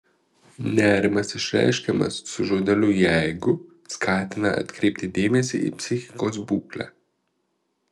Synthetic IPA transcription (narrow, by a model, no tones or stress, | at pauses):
nɛɾmasɛʃɾɛ̰jʃkɛma̰ssuʒod̪ɛlujɛɡu | skʰaːt̪naʔa̰t̪kɾiːp̚t̪id̪eːmɛsḭʔḭpsixi̥kɔzbuklɛ̰